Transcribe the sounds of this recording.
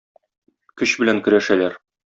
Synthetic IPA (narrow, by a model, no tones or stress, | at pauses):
kɵɕbɘ̆læŋkɵ̆ɾæʃælæɾ